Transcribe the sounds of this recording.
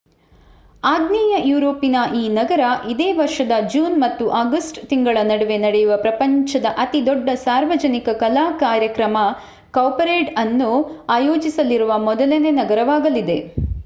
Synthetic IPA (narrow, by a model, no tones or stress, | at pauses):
aːɡniːjɐjuːɾo̞ːpːinɐʔiːnɐɡɐɾɐʔid̪eːʋɐɾʂɐd̪ɐd͡ʒuːnmɐt̪ːuʔaːɡɐsʈt̪iŋɡɐɭɐnɐɽɐʋe̞nɐɽejuʋɐpɾɐpɐɲt͡ʃɐd̪ɐʔɐt̪id̪ɔɖːɐsaːɾʋɐd͡ʒɐnikɐkɐlaːkaːɾjɐkɾɐmɐ | kɐːpɐɾeːʈɐnːuaːjoːd͡ʒisɐliɾuʋɐmɔd̪ɐlene̞nɐɡɐɾɐʋaːɡɐlid̪e̞